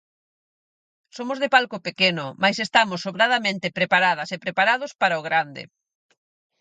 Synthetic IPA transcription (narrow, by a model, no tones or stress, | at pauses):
somʊzðepalkʊpekenʊmajsest̪amʊsoβɾaðamẽnt̪epɾepaɾað̞ɐsepɾepaɾaðʊspaɾaʊɣɾand̪ḛ